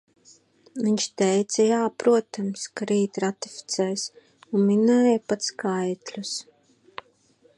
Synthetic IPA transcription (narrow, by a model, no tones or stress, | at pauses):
viɲʲt͡ʃt̪ɛjt̪sɐjaːpɾuɔt̪amskaɾiːt̪ɾat̪i̥fʲi̥t̪sɛjs | unminɛːjpat̪skajt̪lʲus